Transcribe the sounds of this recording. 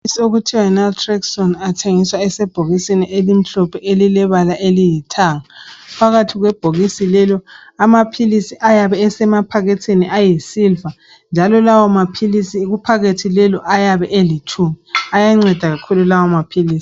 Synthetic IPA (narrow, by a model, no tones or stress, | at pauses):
isioɣutʰiwaɛnaltʰʼrɛksɔnatʰeŋiswaɛsɛb̥ʱoɣisiniʔelim̩ɬɔpʰɛʔelilɛβalaʔelijitʰaːŋapʰaɣatʰiɣwɛb̥ʱoɣisilɛlɔamapʰilisiʔajaβɛːsɛmapʰaɣetʰeniʔajisilva | nd͡ʒʱalɔlawamapʰilisiːɣupʰaɣetʰilɛlɔʔajaβɛʔelit͡ʃʰumiajaŋ͡ǀɛd̥ʱaɣakʰululawamapʰiliːsi̥